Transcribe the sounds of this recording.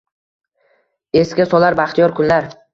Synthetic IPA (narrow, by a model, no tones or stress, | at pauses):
e̞skʲasɒlaɾbaχt̪ʰijɒɾkʰʊnlaɾ